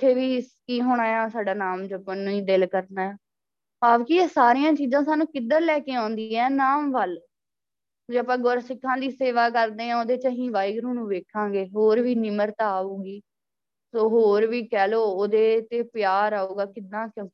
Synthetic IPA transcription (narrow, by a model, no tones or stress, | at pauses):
ɪt̪ʰːeːʋiːkiːɦoːɽ̃aːjãːsaːɖaːnaːmd͡ʒəpːənːũːĩːd̪ɪlkəɾnaːɛː | aːʋkieːsaːɾɪjãːt͡ʃiːzãːsaːnũːkɪd̪ːəɾlɛːkeːãːnd̪iːɛːnaːmʋəl | d͡ʒeːəpãːɡoɾsɪkʰːãːd̪iːseːʋaːkəɾd̪eːãːoːd̪eːt͡ʃəɦĩːʋaːiɡɾũːnũːʋeːkʰãːɡeːɦoːɾʋiːnɪməɾt̪aːuːɡiː | soːɦoːɾʋiːkɛːloːoːd̪eːt̪eːpɪjaːɾaːuːɡaːkɪd̪ãːkjõː